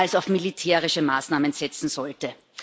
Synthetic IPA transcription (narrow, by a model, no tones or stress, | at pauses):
alsaʊfmilitʰɛːʁɪʃəmaːsnaːmənz̥ɛt͡sn̩zɔltə